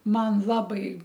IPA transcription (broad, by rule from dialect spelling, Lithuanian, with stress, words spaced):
ˈmɐn ˈlˠɑːbɐɪ